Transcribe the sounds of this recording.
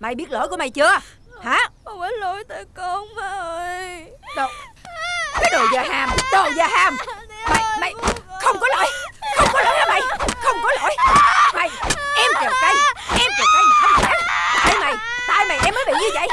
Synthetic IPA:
ma̰˧˩˨jɓi˦˥ət̚lə̰ː˧˥jku˧˦ma˨˩jt͡ɕɨ˧ə | haː˨˦˨və˨˦lo˧˦jt̪əː˧˨˦ko˧ŋvə˨˦˧jɗo˨˩ | kiː˨˦˥ɗo˨˩jzəː˨˩ɦaː˧˩mt̪o˨˩jzəː˨˩ɦaː˧mma̰˨˩jma˨˩jxə˧wŋ͡mkɔ˨˦lo̰ː˧˨˦jxə˧wŋ͡mkɔ˨˦lo̰ː˧˦jhaː˨˧˩ma˧˨jxə˧wŋ͡mkɔ˨˦lo̰˧˨˥jma˨˩jʔɛ˧mt͡ɕə˨˩wka˧˩jʔɛ˧mkə˨˩ka˧jm̚˨˩ʔa˧˦˨aː˦˥t̚t̪a̰ː˧˨jma˨˩jt̪a̰ː˧˨jma˨˩jʔɛ˧mːəː˨˦jɓḭ˧˨ɲɨ˧t͡ɕa̰˧˨˩j

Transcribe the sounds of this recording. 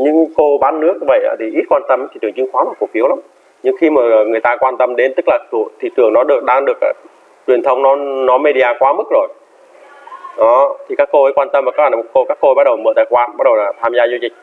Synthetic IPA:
ɲɨ˧ŋko˧ɓaː˨˦nːɨ˦˥ək̚və̰˧˨jʔa̰ː˧˦t̪ʰi˨˩ʔi˦˥t̚kwaː˧nt̪ə˧mt̪ʰi˨˩t̪ɨ˨˩əŋt͡ɕʊ˧ŋxwaː˨˦mo˨˩ku˨˩fi˨˦əwla˨˦ | ɲɨ˧ŋxi˧maː˨˩˨ŋɨ˨˩əjt̪aː˧kwaː˧nt̪ə˧mɗe˨˦nt̪ɨ˦˥k̚laː˨˩t̪ṵ˧˨t̪ʰi˨˩t̪ɨ˨˩əŋnɔ˨˦ɗɨ˨˩ək̚ɗaː˧ŋɗɨ˨˩ək̚a̰ː˧˩ | t͡ɕwi˨˩ənt̪ʰə˧wŋ͡mnɔ˨˦nɔ˨˦me˧ɗi˧ʔaː˧xwaː˨˦mɨ˦˥k̚zo˨˩j | ɗɔ˨˦t̪ʰi˨˩kaː˦˥kːo˧ə˨˦jkwaː˧nt̪ə˧mvaː˨˩kaː˨˦aː˨˧˩ko˧kaː˦˥kːo˧a˦˥ɗə˨˩wmə̰ː˧˩t̪aː˧˨˩jxwaː˨˦nɓa˦˥ɗə˨˩wlaː˨˩t̪ʰaː˧mzaː˧zu˧t͡ɕï̟˨˩

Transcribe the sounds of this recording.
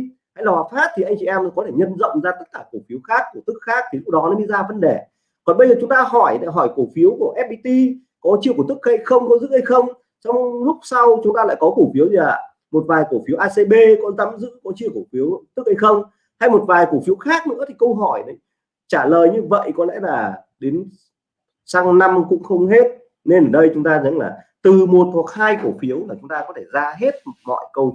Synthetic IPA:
ha̰˧jlaː˨˩waː˨˩faː˦˥t̚t̪ʰi˨˩ʔa˧jŋ̟t͡ɕi˧˨ʔɛ˧mn˨˦kɔ˨˦t̪ʰe˧˩ɲə˧nzə̰˧˨wŋ͡mzaː˧t̪ə˦˥t̚kaː˧˩ku˧˩fi˨˦əwxaː˦˥kːu˧˩ət̪ɨ˦˥k̚xaː˦˥k̚t̪ʰi˨˩zʊ˦˥ɗɔ˨˦nɔ˨˦ɗi˧zaː˧və˧nɗe˧˩ | kɔ˨˩nɓə˧zəː˨˩t͡ɕʊ˨˦ŋ͡mt̪aː˧ɦɔ˧˩jɗa̰˧˩ɦɔ˧˩jku˧˩fi˨˦əwku˧˩ʔɛ˦˥p̚ɓi˧t̪i˧ | kɔ˨˦t͡ɕi˧əku˧˩t̪ɨ˦˥k̚ha˧˩jxə˧wŋ͡mkə˧wŋ͡mzɨ̰˧˥ha˧jxə˧wŋ͡m | sa˧wŋ͡mlʊ˦˥k͡p̚sa˧wt͡ɕʊ˨˦ŋ͡mt̪aː˧la̰˧˨jkɔ˨˦ku˧˩fi˨˦əwzi˧˩laː˨˩ | mo˨˩t̚vaː˨˩jku˧˩fi˨˦əwʔaː˧se˧ɓe˧kɔ˨˧nza˨˦mzɨ̰˧˥kɔ˨˦t͡ɕi˧əwku˧˩fi˨˦əwt̪ɨ˦˥k̚ha˧jxə˧wŋ͡m | t̪ʰa˧jmo˨˩t̚vaː˨˩jku˧˩fi˨˦əwxaː˦˥k̚nɨ̰˧˥ət̪ʰi˨˩kə˧wɦɔ˧˩jɗə˨˦j | t͡ɕaː˧˩ləː˨˩jɲɨ˧və̰˧˨jkɔ˨˦lɛ̰˧˥laː˨˩ | ɗe˨˦n | saː˧ŋna˧mkʊ̰˧˥ŋ͡mxə˧wŋ͡mhe˦˥t̚ | ne˧nʔəː˨˩ɗə˧jt͡ɕʊ˨˦ŋ͡mt̪aː˧zə̰˧˥nla̰ː˨˩ | t̪ɨ˨˩mo˨˩t̚hwa˨˩k̚haː˧jko˧˩fi˨˦əwmaː˨˩t͡ɕʊ˨˦ŋ͡mt̪aː˧kɔ˨˦t̪ʰe˧˩zaː˧ɦe˦˥t̚mɔ̰˧˨jkə˧w

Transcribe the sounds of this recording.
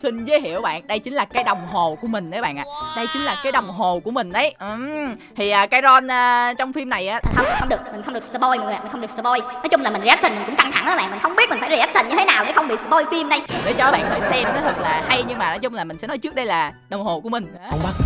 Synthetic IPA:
si˧n̟zə˨˦hḭ˧˨əwɓa̰ː˧˨nɗə˧jt͡ɕï˨˦ŋ̟laː˨˩kaː˨˦jɗə˨˩wŋ͡mɦo˨˩ku˧˩əmï˨˩ŋ̟ɗə˨˦ɓa̰ː˧˨nʔa̰ː˧˨ɗə˧jt͡ɕï˨˦ŋ̟laː˨˩kaː˨˦jɗə˨˩wŋ͡mɦo˨˩ku˧˩əmï˨˩ŋ̟ɗə˨˦jʔt̪ʰi˨˩ʔəː˨˩kaː˨˦jzɔ˧nʔəː˧t͡ɕɔ˧wŋ͡mfi˧mna˨˩jʔaː˨˦˨xə˧wm˨˩xə˧wŋ͡mɗɨ˨˩ək̚mï˨˩ŋ̟xwŋ͡mɗɨ˨˩ə˩sɨ˧ɓo˧jm̰ː˨˩˨i̟˨˩xə˧wŋ͡mɨ˨˩ksɨ˧ɓo˧jnɔ˨˦t͡ɕʊ˧ŋ͡mlaː˨˩mï˨˩zt̚sï˨˧˩mi̟˨˩kʊ̰˧˥ŋ͡mka˧ŋt̪ʰa˧˩ŋʔaː˨˦ɓa̰˧˨mi̟˨˩xə˧wŋ͡mɓi˦˥t̚mi̟˨˩fːzi˧˩a˦˥t̚si˨˩nɲɨ˧t̪ʰe˨˦naː˨˩wɗḛ˧˩xə˧wŋ͡mɓḭ˧˨sɨ˧ɓo˧jfi˧mɗə˧jɗḛ˧˩t͡ɕɔ˧əː˨˦ɓa̰˧˨nt̪ʰəː˨˩jsɛ˧mnɔ˨˦t̪ʰɨ˨˩k̚laː˨˩ha˧jɲɨ˧ŋmaː˨˩nɔ˨˦t͡ɕʊ˧ŋ͡mlaː˨˩mï˨˩ŋ̟sɛ˧˥nɔ˨˦jt͡ɕɨ˦˥ək̚ɗə˧jlaː˨˩ | ɗwŋ͡mho˨˩ku˧˩əmï˨˩ŋ̟ː˧˨˦a˦

